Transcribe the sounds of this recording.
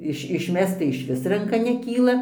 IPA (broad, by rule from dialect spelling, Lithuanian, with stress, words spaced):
ˈɪʃ ɪʃʲˈmʲɛst͡s tɐɪ ɪʃʲˈʋʲɪs rɐŋˈkɐ nʲɛˈkʲiːlˠɐ